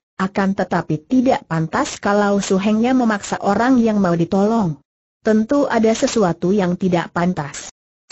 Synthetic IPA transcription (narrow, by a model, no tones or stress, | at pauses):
ʔakant̪ət̪apit̪idaʔpant̪askalawsuɦɛŋɲaməmaksaʔoɾaŋjaŋmaudit̪ɔlɔŋ | t̪ənt̪uʔadasəsuat̪ujaŋt̪idaʔpant̪as